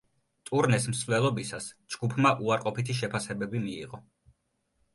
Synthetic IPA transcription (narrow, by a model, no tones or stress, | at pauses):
t̪ʼuɾnɛsm̩slɛlˠɔbisas | d͡ʒɡupʰmaʔuaɾqʼɔpit̪ʰiʃ̬ɛpʰasɛbɛbimiḭʁɔ